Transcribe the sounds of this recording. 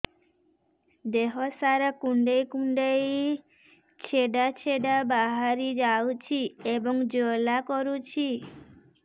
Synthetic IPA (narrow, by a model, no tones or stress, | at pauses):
d̪eɦosaɾakuɳɖejkuɳɖej | t͡ʃʰeɖat͡ʃʰeɖabaɦaɾid͡ʒawt͡ʃʰiebɔŋd͡ʒolakɔɾut͡ʃʰi